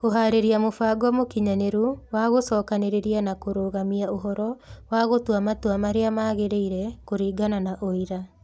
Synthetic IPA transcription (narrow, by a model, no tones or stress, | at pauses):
oɦaɾeɾiamofaːɡwamokiɲaneɾuwaɣosɔːkaneɾeɾianakoɾoːɣamiaoɦɔɾɔwaɣotwamatwamaɾeamaːɣeɾeiɾɛkoɾiːɡananaʔoiɾa